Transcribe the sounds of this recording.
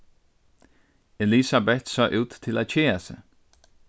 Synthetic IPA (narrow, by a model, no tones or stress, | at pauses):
elisabɛt̪sɑːʔʉːt̪ʰːɪlæt͡ɕʰeːasɛ